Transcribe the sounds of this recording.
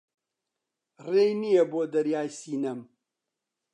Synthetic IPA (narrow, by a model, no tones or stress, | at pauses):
reːjnijeboːd̪ɐɾjaːjsiːnɐm